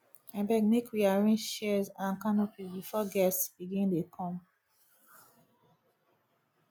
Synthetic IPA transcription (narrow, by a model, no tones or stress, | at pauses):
ɛ̃mbɛɡnekwiaɹĩʃɛzãnkanopizbifɔɡɛsb̥iɡĩndekʰɔ̃m